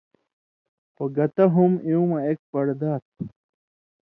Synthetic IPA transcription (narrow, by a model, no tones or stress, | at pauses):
poɡɐt̪ɐɦumiũmɐek̚pɐɽd̪aːt̪̚